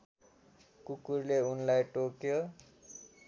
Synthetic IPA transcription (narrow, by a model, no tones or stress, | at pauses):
kukurleunlajʈokjo